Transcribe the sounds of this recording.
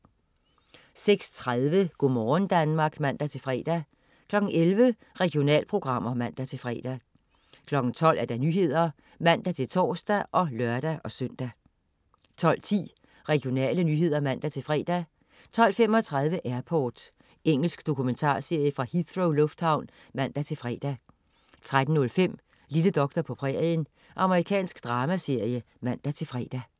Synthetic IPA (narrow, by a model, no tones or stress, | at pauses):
seɡ̥st͡sʰʁaðˠʋəɡ̥omɒːnd̥ænmɑ̈ːɡ̥mæn̰d̥æt͡sʰe̝lfʁɛ̰ːd̥æ | kʰlɒ̽ɡ̥n̩elʋə | ʁɛɡ̥jo̝nɛ̰ːlpʰʁo̝ɡ̥ʁɑ̈m̰ɐmæn̰d̥æt͡sʰe̝lfʁɛ̰ːd̥æ | kʰlɒ̽ɡ̥ŋ̩t͡sʰɒ̽l̰ʔæɐd̥ɑ̈nyːɦe̝ð̞̰ˠɐ | mæn̰d̥æt͡sʰe̝lt͡sʰɒ̰ːsd̥æʔɒ̽lɶɐd̥æʔɒ̽søn̰d̥æ | t͡sʰɒ̽l̰t͡sʰḭː | ʁɛɡ̥ijo̝nɛ̰ːlənyːɦe̝ð̰ˠɐmæn̰d̥æt͡sʰe̝lfʁɛ̰ːd̥æ | t͡sʰɒ̽l̰fem̰ɒ̽t͡sʰʁɑ̈ð̞ˠʋəʔæɐpʰɒːd̥ | eŋ̰l̩sɡ̥d̥o̝kʰument͡sʰɑ̰̈ːse̝ɐ̰jəfʁɑ̈hiθʁoʊlɔ̽fd̥hɑ̈ʊn | mæn̰d̥æt͡sʰe̝lfʁɛ̰ːd̥æ | t͡sʰʁad̥n̩nɔ̽lfem̰ | liləd̥ɒ̽ɡ̥̚d̥ɐpʰɒ̽pʰʁɛɐən | ʔɑ̈məʁikʰɛ̰ːnsɡ̥d̥ʁɑ̈ːmæse̝ɐ̰jə | mæn̰d̥æt͡sʰe̝lfʁɛ̰ːd̥æ